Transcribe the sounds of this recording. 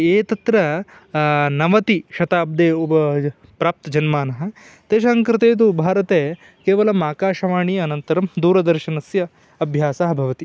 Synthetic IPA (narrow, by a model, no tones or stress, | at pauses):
eːt̪ɐt̪ɾɐ | nɐʋɐt̪iʃɐt̪aːb̚d̪eːuɐ | pɾaːp̚t̪ɐd͡ʒɐnmaːnɐɦɐ̆ | t̪eːʃɐsŋkɾɪt̪eːt̪̬ubʱaːɾɐt̪eː | keːʋɐlɐmaːkaːʃɐʋaːɳijɐnɐnt̪ɐɾɐmd̪uːɾɐd̪ɐɾʃɐnɐsjɐ | ɐbʱjaːsaɦɐbʱɐʋɐt̪i